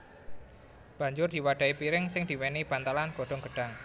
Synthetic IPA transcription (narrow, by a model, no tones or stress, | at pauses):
b̥a̤ɲd͡ʒʊrd̪̥i̤waɖ̥a̤ipiɾɪŋsɪŋd̪̥i̤wɛnib̥ant̪alanɡ̥o̤ɖ̥ɔ̤ŋɡ̥əɖ̥aŋ